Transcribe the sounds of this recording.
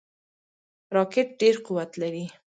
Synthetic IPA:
ɾɑkɪʈ̚ɖeɾquwat̪laɾi

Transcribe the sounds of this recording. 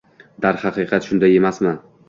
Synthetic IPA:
d̪aɾhɑqʰɨqʰɑt̪ʃʊnd̪aje̞masman

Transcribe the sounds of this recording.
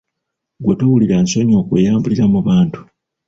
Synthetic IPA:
ɡwetowuliɾansoɲo̞ːkwejaːmbuliɾamuβaːntu̥

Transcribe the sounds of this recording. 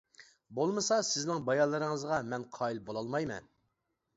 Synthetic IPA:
bolˠmɨsɑsɪznɪŋbɑjɑlˠːɨɾɨŋəzʁɑmɛnqʰɑːilbolˠɑlˠmɑjmɛ̰n

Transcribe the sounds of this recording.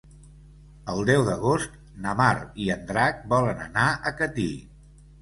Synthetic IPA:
əlˠd̪ɛwðəɣost̪̚ | nəmariənd̪ɾak̚bɔlənənaʔəkət̪ḭ

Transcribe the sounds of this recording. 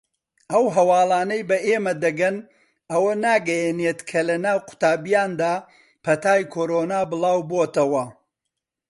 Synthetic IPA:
ʔɐwɦɐwɑːlˠaːnɐjbɐʔeːmɐd̪ɐɡɐn | ɐwɐnaːɡɐjɛneːt̪kʰɐlɐnaːwqʰʊ̥t̪aːbijaːnd̪aː | pʰɐt̪aːjkʰoːɾoːnaːbɨlˠaːwboːt̪ɐwɐ

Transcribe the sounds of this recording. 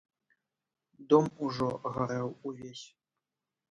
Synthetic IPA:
d̪ɔmuʐɔɣɐɾɛwuvʲesʲ

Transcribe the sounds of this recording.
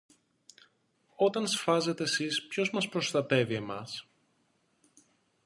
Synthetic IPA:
o̞t̪ɐnsfɐze̞t̪e̞ːsispço̞zmɐspɾo̞st̪ɐt̪e̞vie̞mɐs

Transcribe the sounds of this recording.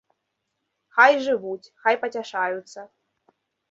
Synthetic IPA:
xɑjʐɨʋutʲxɑjpɐtʲaʂɑjut̪sɐ

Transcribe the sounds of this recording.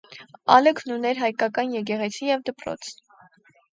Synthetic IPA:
ɑləkʰnunɛɾɦɑjkɑkɑnjɛk̬ɛʁɛt͡sʰijɛvd̪əpɾɔ̰t͡sʰ

